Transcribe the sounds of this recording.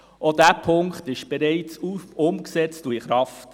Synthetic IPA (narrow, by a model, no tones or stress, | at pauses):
ʔodæːpʰʊŋkχtɪʃb̥ɛɾɛɪt͡suʊmksɛt͡stuiχɾɑft